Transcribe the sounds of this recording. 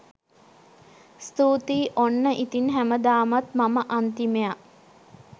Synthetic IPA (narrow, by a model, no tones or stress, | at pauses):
st̪uːt̪iːʔonːəʔit̪inɦæməd̪aːmat̪maməʔant̪imeja